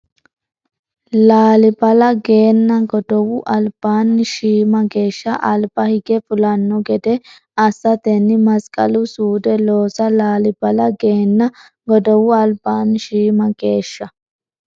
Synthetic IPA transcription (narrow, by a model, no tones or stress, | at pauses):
laːlɪbɐlɐɡe̞ːnːɐɡɔd̪̥ɔwʊʔɐlb̥aːnːɪʃiːmɐɡe̞ːʃːɐʔɐlbɐhɪɡɛfʊlɐnːɔɡɛd̪ɛ | ɐsːɐt̪ɛnːɪmɐskʼɐ̰lʊsuːd̪ɛlo̞ːsɐlaːlɪbɐlɐɡe̞ːnːɐ | ɡɔd̪ɔwʊɐlbaːnːɪʃiːmɐɡe̞ːʃːɐ